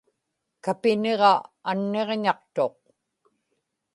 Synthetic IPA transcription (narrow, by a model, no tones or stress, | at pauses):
kapɪneʁɑanːe̞ʁɲɑq̚t̪o̞q̚